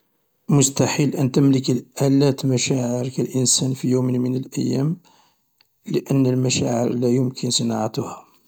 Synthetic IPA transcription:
mʊst̪aħilʔənt̪əmləkəlʔælæt̪mæʃæʕəɾkælʔənsænfijummənəlʔəjːæm | ləʔənːəlmæʃæʕə̰ɾlæjʊmkʰənsənɑʕat̪hæ

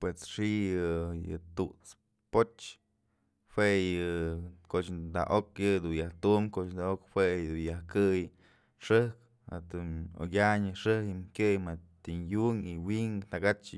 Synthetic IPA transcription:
pwesʂijɨjɨ̰t̪uʔt͡s | pot͡ʃ | hwejɨkoʔt͡ʃ̪d̪a̰ʔokjɨd̪unjaht̪umkoʔt͡ʃnd̪aokhwed̪unjahkɨj | ʂɨk | a̰t̪uno̰ɡʲaɲɨʂɨhimkʲɨjmat̪injuŋiwiŋt̪aɡat͡ʃ

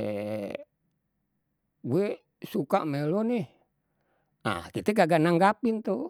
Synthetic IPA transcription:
ɡue | sukaʔmeloneh | a̰hkit̪ɛɡaɡanaŋɡapint̪o

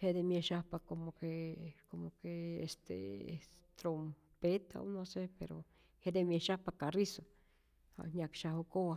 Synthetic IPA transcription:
hed̪emjeʃapakomokekomokeḛst̪ḛ | t̪ɾom | pet̪ʰao̰nõsepḛɾo̰ | hed̪emjeʃapakariso | ha̰ɲakʃahokowa

